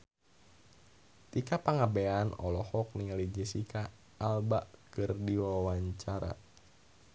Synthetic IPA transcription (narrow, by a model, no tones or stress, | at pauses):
t̪ikapaŋabeanɔ̰lɔhɔk̚niŋalid͡ʒisikaː | lbaʔkɨrdiwawaɲt͡ʃaɾa̰